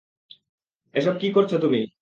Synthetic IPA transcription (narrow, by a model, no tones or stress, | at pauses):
eʃɔb̚kikoɾt͡ɕʰot̪umi